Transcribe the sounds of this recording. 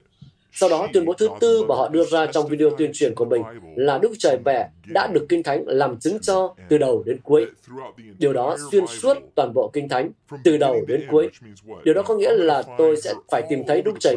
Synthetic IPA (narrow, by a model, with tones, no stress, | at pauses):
sa˧wɗɔ˨˦t̪wi˧ənɓo˨˦t̪ʰɨ˨˦t̪ɨ˧maː˨˩ɦɔ̰˧˨ɗɨ˧əzaː˧t͡ɕɔ˧wŋ͡mvi˧ɗe˧o˧t̪wi˧ənt͡ɕwi˧˩ənku˧˩əmï˨˩ŋ̟laː˨˩ɗʊ˦˥k̚t͡ɕəː˨˩jmɛ̰˧˩ | ɗa̰ː˧˥ɗɨ˨˩əkːï˧ŋ̟t̪ʰa˨˦jŋ̟laː˨˩mt͡ɕɨ˨˦ŋt͡ɕɔ˧t̪ɨ˨˩ɗə˨˩wɗe˨˦nku˨˦əj | ɗi˨˩əwɗɔ˨˦swi˧ənsu˦˥ət̚t̪waː˨˩nɓo̰˧˨kï˧ŋ̟t̪ʰa˨˦jŋ̟ | t̪ɨ˨˩ɗə˨˩wɗe˨˦nku˨˦əjɗi˨˩əwɗɔ˨˦kɔ˨˦ŋḭ˧˥əlaː˨˩t̪o˧jsɛ̰˧˥faː˧˩jt̪i˨˩mt̪ʰə˨˦jɗʊ˦˥k̚t͡ɕəː˨˩